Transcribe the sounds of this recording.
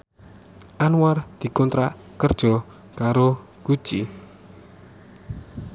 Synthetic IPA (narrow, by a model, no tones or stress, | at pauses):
ʔanuward̪̥i̤kɔnt̪ɾaʔ | kərd̥ʒ̥ɔ̤ | kaɾo | kud̥ʒ̥i